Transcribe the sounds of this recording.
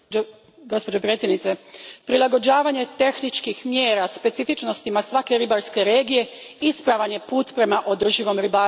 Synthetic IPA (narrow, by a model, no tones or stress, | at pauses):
ɡospod͡ʒopɾjet̪jednit̪sepɾilaɡo̞d͡ʑaːʋaɲe̞t̪e̞xnit͡ʃkixmjeːɾaspe̞t̪sifit͡ʃno̞st̪imasʋake̞ɾibaɾske̞ɾe̞ːɡije̞ispɾaʋaɲe̞puːt̪pɾe̞maʔo̞d̪r̩ʒiʋo̞mɾibaː